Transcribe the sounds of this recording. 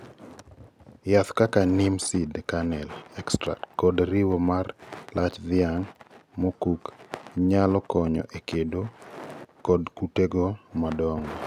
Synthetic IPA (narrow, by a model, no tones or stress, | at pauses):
jat̪kakanimsidkanɛlɛkstɾa̰tkɔdɾiwomarlʔat͡ʃd̪ɪaŋmokukɲalɔkɔɲɔ̰ʔekedo | kɔdkuteɡomadɔŋɔ